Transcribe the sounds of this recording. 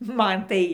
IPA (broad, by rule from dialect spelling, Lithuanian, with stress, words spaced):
ˈmɐn ˈtɐɪ